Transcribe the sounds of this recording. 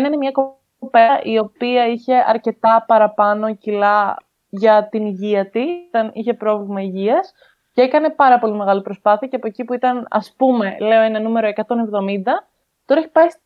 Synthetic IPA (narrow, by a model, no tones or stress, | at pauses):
nɐinemɲɐko | peʔio̞piɐiçe̞ʔɐɾce̞t̪ɐpɐɾɐpɐno̞cilɐ | ʝɐt̪iniʝiɐt̪it̪ɐniçe̞pɾo̞vlimɐiʝiɐs | ceekɐne̞pɐɾɐpo̞lime̞ɣɐlipɾo̞spɐθiɐceɐpoecipuit̪ɐnɐ̰spume̞le̞o̞e̞nɐnume̞ɾoe̞kɐt̪o̞ne̞vðo̞mind̪ɐ | t̪oɾɐeçi̥pɐis